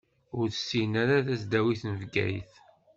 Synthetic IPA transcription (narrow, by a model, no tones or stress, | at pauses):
ʊɾθsːinæɾaðæsd̪æwiθnəvɡæ̰jθ